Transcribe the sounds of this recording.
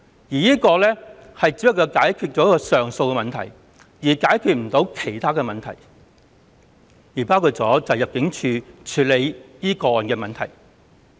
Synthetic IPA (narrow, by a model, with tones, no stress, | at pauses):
jiː˨˩jiː˥kɔː˧lɛː˥hɐ˨jt͡si˨˥jɪ˥k̚ːɐ˧wkaː˨˥jkʰyː˧t̚t͡ʃɔ˨˥kɔː˧sœː˨ŋso˧wkɛ˧mɐ˨nt̪ʰɐ̰˨˩j | jiː˨˩kaː˨˥jkʰyː˧t̚m̩˨˩t̪o˨˥wkʰe˨˩jt̪ʰaː˥kɛː˧mɐ˨nt̪ʰɐ˨˩j | jiː˨˩paː˥wkʰuː˧t̚t͡sɔː˨˥t͡sɐ˨˩wjɐ˨p̚kɪ˨˥ŋt͡ʃʰyː˨˧t͡ʃʰyː˨˥le˨˧jjiː˥kɔː˧ɔː˨nkɛː˧mɐ˨nt̪ʰɐ˨˩j